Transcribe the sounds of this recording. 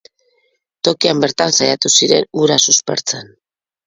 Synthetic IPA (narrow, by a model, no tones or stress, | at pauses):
t̪o̞kiambe̞ɾt̪ansajat̪usiɾe̞̰nuɾasuspe̞̰ɾt͡se̞n